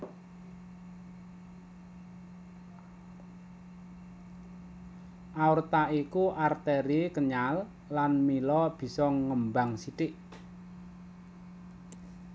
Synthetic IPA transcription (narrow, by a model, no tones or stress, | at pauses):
ʔaurt̪aikuʔart̪eɾikəɲalː | anmilɔb̥i̤sɔŋəmbaŋsiʈɪʔ